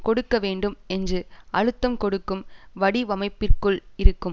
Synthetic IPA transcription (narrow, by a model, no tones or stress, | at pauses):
kɔɽɯkːɐʋeːɳɖɯmɛndrɯʔɐɻɯt̪ːɐmkɔɽɯkːɯmʋɐɽiʋɐmɐɪpːɪrkɯɭɪɾɯkːɯm